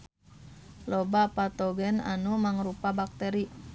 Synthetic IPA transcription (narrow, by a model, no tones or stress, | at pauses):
lɔbapat̪ɔɡɛna̰numaŋrupabak̚t̪ɛɾi